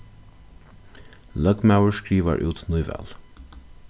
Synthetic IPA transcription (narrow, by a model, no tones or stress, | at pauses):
lœɡmawəɹskɹiːʋa̰ɹʔʉ̰ːt̪nujvɛ̰l